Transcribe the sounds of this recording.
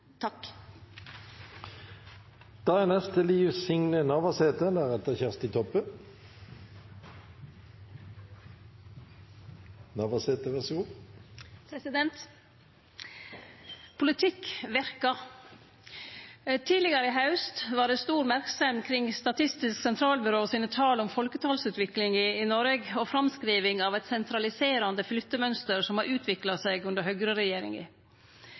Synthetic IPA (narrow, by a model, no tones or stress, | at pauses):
t̪ʰɑk | d̪̥ɑænɛst̪əliːʋsʏŋnənɑʋɑseːt̪ənd̪æːʁɛt̪əçæʁst̪ɪt̪ʰɔpːə | nɑʋɑseːt̪əʋæsɡu | pʰɾɛsɪd̪ɛnt̪ | pʰʊlɪt̪ʰɪkʋæɾkɑ | t̪ʰiːlɪɡəɾəɪɦɑʉst̪ʋɑːɖɛst̪uːɾmæɾksɛmkʰɾɪŋst̪ɑt̪ʰɪst̪ɪsksɛnt̪ʰɾɑːlbʏɾoːsiːnət̪ʰɑːlɔmfɔlkət̪ʰɑːlsʉːt̪ʋɪklɪŋɪːnɔɾeɡɔfɾɑmskɾiːʋɪŋɑʋɛt̪sɛnt̪ʰɾɑlɪseːɾɑnd̪əflʏt̪ːəmœnst̪əɾsɔmhɑɾʔʉːt̪ʰʋɪklɑsɛɡʉnd̪əɾhœɡɾəɾɛjeːɾɪ̰ŋə̰